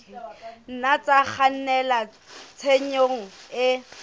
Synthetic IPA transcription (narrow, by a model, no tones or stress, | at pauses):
n̩nat͡sʼak͡xʰan̩nɛla | t͡sʰeɲoŋ̩ɪ